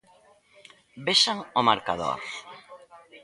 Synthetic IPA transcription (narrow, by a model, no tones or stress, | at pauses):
beʃaŋomaɾkaðo̰ɾ